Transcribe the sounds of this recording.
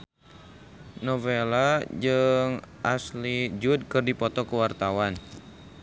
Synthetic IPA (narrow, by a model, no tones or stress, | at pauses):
nɔvelad͡ʒɨŋʔaslid͡ʒud̚kɨrdipɔt̪ɔkuwart̪awan